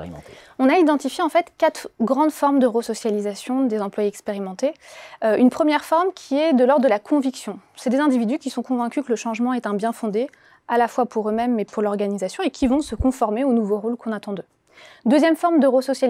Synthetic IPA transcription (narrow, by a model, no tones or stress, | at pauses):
ɔ̃naid̪ɑ̃t̪ifjeɑ̃fɛt̪kat̪χɡʁɑ̃d̪fɔʁmd̪əʁəsɔsjalizasjɔ̃d̪ezɑ̃plwaeɛkspeʁimɑ̃t̪eynpχəmjɛʁfɔʁmkʲʰiɛd̪əlɔʁd̪d̪əlakʰɔ̃viksjɔ̃sɛd̪ezɛ̃d̪ivid̪ykʲisɔ̃kɔ̃vɛ̃kʲykələʃɑ̃ʒmɑ̃ɛt̪ɛ̃bjɛ̃fɔ̃d̪e | alafwapuʁømɛmːɛpuʁlɔʁɡanizasjɔ̃ekʲʰivɔ̃səkɔ̃fɔʁmeonuvoʁolkɔ̃nat̪ɑ̃d̪ø | d̪øzjɛmfɔʁmd̪əʁəsɔsja